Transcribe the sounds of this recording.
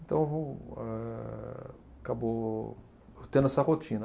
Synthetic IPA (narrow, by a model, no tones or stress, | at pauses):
ẽt̪ɐ̃w̃voɛ | akabo | t̪ẽnd̪ɛsɐhot͡ʃĩn